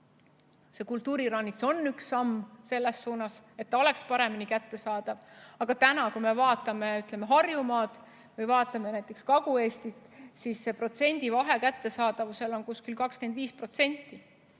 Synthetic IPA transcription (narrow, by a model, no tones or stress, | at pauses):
se̞kult̪ːˑuːɾiɾɑnːiso̞nːyksːɑmːse̞lːe̞sːuːnɑse̞t̪ːɑo̞le̞kspɑɾe̞minikæt̪ːe̞sɑːd̪̥ɑvɑɡ̥ɑt̪ænɑkujme̞vɑːt̪ːˑɑme̞yt̪ˑlemeɦɑrjumɑːd̪̥ | vɯjvɑːt̪ːˑɑme̞næjt̪ːˑekskɑɡ̥ue̞ːst̪it̪ˑsisːe̞pro̞t̪se̞nʲd̪̥ivɑɦe̞kæt̪ːe̞sɑːd̪̥ɑvuse̞lo̞nkuskilkɑkske̞nd̪̥viːspro̞t̪se̞nʲt̪ːˑi